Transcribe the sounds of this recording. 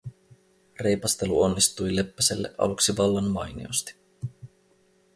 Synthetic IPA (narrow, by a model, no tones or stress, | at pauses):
re̞jpɑst̪e̞luonːist̪ujle̞pːæselːḛʔɑ̰luksiʋɑlːɑnmɑjnḭo̰st̪i̥